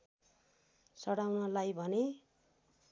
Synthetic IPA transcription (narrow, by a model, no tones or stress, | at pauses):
sʌɽawnʌlajbʱʌne